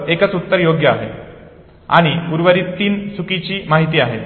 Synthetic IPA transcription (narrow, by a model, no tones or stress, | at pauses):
ekət͡sut̪ːəɾjoɡjəaɦe | a̰ɽ̃iuɾʋəɾiːt̪ːiːnsukit͡ɕiːmaɦit̪iːaɦet̪